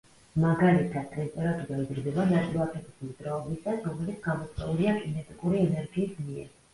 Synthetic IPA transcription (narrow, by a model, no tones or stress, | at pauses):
maɡalit̪ʰad̪̥̚ʼɛst̪ʼɛɾat̪uɡ̪aizɾd̪ɛbanat̪ʼilap̪ʰɛbislid̪ɾaɔbisasɾɔmɛlit̪sʰɡamɔt̪sʼɛuliakʼinɛt̪ʼikʼuɾiɛnɛɾɡiːsmiɛ̰ɾ